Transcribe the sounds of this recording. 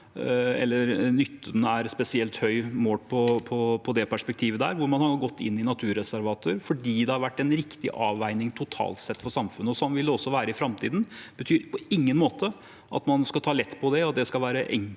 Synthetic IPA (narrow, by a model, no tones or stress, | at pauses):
ɛ̰lːəɾnʏt̪ʰːənəæɾspɛsɪɛlt̪hœʏmoːʈpʰɔpʰɔpʰɔd̪ɛpæʂpɛk̚t̪ʰiːʋəd̪æ̰ːɾʋʊɾmɑnhɑɡɔt̪ːɪ̰nːɪnɑt̪ʰʉːɾɛsæɾʋɑːt̪ʰəɾfɔɖiːd̪ɛhɑɾʋæʈːɛnɾɪkt̪ɪ̰ʔɑːʋæɪnɪŋt̪ʰʊt̪ʰɑ̰ːlt̪sɛt̪ːfɔʂɑmfʉnːəɔsɔnʋɪlːəɔsːɔʋæːɾəɪfɾɑmt̪ʰiːd̪n̩b̥ət̪ʰyːɾpɔɪŋːənmoːt̪ə | ʔɑ̰t̪mɑnskɑt̪ʰɑːlɛt̪ːpʰɔd̪ɛɑt̪̚d̪ɛskɑlʋæːɾəʔɛ̰ŋ